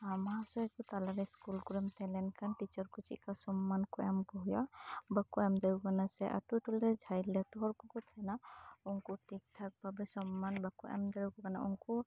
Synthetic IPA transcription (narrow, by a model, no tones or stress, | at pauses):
amɦasɔɛkut̪alaɾɛskulkuɾɛmt̪ɛlɛnkʰanʈit͡ʃɔɾkut͡ʃḭkasɔmːankɔɛmbɔɦjɔbakuɛmdaukanasɛʔa̰tutulɛd͡ʒʱajlɛtuɦɔɾkɔkɔt̪ʰanaɔŋkutik̚t̪ʰak̚babɛsɔmːanbakuʔɛ̰md͡ʒaukɔkana̰ɔŋkɔ